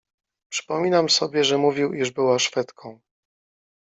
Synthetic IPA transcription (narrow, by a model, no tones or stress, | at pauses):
pʂɘ̥pɔmʲinamsɔbʲjɛʐɛmuvʲiwiʐbɘwaʂfɛt̪kʰɔ̃w̃